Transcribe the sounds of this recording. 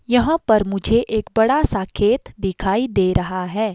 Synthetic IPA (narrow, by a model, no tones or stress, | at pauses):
jɐɦãpɐɾmʊd͡ʒʱeʔeːk̚bɐɽasãːkʰeːt̪d̪ɪkʰaːid̪eːɾɐɦaɦɛː